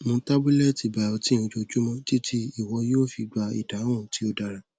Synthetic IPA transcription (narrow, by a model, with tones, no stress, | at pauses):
mõ˧˦ta˦bu˦lɛ˦ti˧˨ba˧˨ɔ˧tĩ˦˨ũ˧d͡ʒo˧d͡ʒu˦mɔ̃˦d͡ʒi˦tʰi˦i˦˨wɔ˧joː˦fi˧ɡ͡ba˧ḭ˨da˨˦w̃ɔ̃˦˨˦ti˦o˧da˨ɾa˨